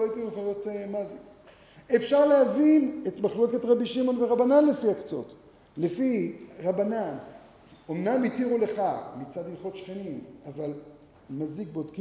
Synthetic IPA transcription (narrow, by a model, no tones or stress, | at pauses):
oaitimχalotmaze | efʃaʁleavinetmaχluleketʁabiʃimo̞nveʁabananle̞fiakt͡so̞̰t | lefiʁabanan | o̞mnamitiʁule̞χamit͡sadilχo̞tʃχenimaval | mazik̚beodki